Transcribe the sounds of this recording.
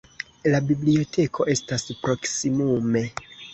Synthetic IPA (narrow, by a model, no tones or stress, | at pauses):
labiblio̞tʰe̞kʰo̞ʔe̞staspɾo̞ksimume̞